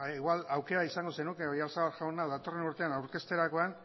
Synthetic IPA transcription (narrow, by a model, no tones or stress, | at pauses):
iɣwalawke̞ɾaisaŋɡo̞se̞nuke̞o̞jaɾsaβaɾʝawnaðat̪o̞re̞nuɾt̪e̞anawɾke̞st̪e̞ɾako̞an